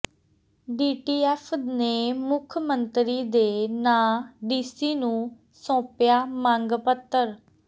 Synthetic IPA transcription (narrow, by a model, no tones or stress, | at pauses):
ɖiːʈiːɛːpʰneːmʊkʰmənt̪ɾiːd̪eːnãːɖiːsiːnũː | sɔ̃ːpjaːmãːŋɡpət̪ːəɾ